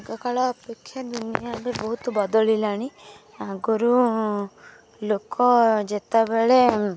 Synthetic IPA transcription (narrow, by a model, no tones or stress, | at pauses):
ɡɔkaɭɔːpekʰːjad̪unijabebɔɦut̪ɔbɔd̪ɔlilaɽ̃i | aɡɔɾu | lokɔd͡ʒet̪abeɭe